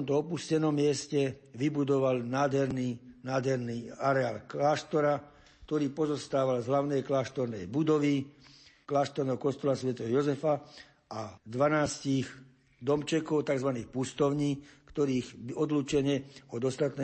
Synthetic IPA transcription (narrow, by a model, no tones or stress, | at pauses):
mt̪ɔɔpuscɛnɔmːɪɛscɛʋibud̪ɔʋalnaːd̪ɦɛɾniːnaːd̪ɦɛɾniːaɾɛaːlklaːʃt̪ɔɾa | kt̪ɔɾiːpɔzɔst̪aːʋalzɦlaʊnɛjklaːʃt̪ɔɾnɛjbud̪ɔʋiklaːʃt̪ɔɾnɛɦɔkɔst̪ɔlasʋɛt̪ɛɦɔjɔzɛfa | ʔad̪ʋanaːsciɣ | d̪ɔmt͡ʃɛkɔʊt̪aɡzʋaniːxpust̪ɔʊɲiːkt̪ɔɾiːɣɔd̪luːt͡ʃɛɲɛɔd̪ɔst̪at̪nɛ